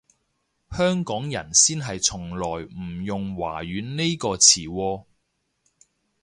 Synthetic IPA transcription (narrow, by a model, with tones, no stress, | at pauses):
hœː˥ŋkɔː˨˥ŋjɐ̰˨˩nsiː˥nɦɐ˨jt͡sʰʊ˨˩ŋlɔː˨˩jm̩˨˩jʊ˨ŋwa̰ː˨˩ɥyː˨˥nne˥jkɔː˧t͡sʰiː˨˩wɔː˧